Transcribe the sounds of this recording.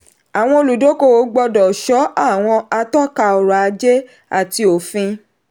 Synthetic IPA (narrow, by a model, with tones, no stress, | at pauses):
a˨w̃ɔ̃˧o˧lu˨do˨˦ko˦˨wo˨˦ɡ͡bɔ˧dɔ˨ʃɔ˨˦a˦˨w̃ɔ̃˧a˧tɔ˦˨ka˧ɔ˨ɾa˨a˧d͡ʒe˦ | a̰˦˨ti˧o˨fĩ˧